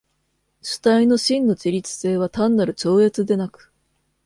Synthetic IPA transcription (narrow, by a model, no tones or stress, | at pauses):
ɕɨ̥t̪aino̞ɕĩnːo̞t͡ɕiɾʲit͡sɨ̥se̞ːβ̞at̪ãnːaɾɯ̟t͡ɕo̞ːe̞t͡sɨd̪e̞nakɯ̟̥